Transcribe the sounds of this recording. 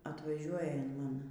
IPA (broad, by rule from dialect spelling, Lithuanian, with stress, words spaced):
ɐtʋɐˈʒʲuɔjɛ ɪn ˈmɐn